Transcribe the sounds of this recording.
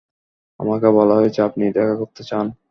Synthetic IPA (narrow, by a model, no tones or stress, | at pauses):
a̰makebɔlaɦoet͡ɕʰeapnid̪ɛkʰakoɾt̪et͡ɕan